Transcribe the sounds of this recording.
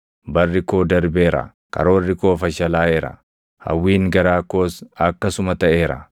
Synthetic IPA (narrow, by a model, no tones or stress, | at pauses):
bɐrːɪko̞ːd̪ɐɾbeːɾɐ̰ | kɐ̰ɾo̞ːrːɪko̞ːfɐʃɐlaːeːɾɐ̰ | hɐ̰wːiːŋɡɐɾaːkoːsɐkːɐsʊmɐt̪ɐʔe̞ːɾɐ̰